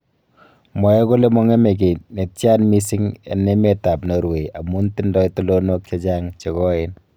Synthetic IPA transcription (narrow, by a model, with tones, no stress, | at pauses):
mɔ˨jɛ˦ko˦le˦mɔ˦ŋe˦me˨k̬e˨ne˨tt͡ʃja˦nmi˦si˦ŋa̰˨nːe˦me˦ta˨pnɔ˨ɾwe˨a˨mu˦nti˦ndɔ˦itu˦lono˦k̚t͡ʃe˦d͡ʒa˦ŋt͡ʃe˨kɔ˦en